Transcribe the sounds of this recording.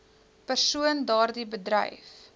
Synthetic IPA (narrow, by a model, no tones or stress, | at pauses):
pərsuəndɑːrdibədrə̰jf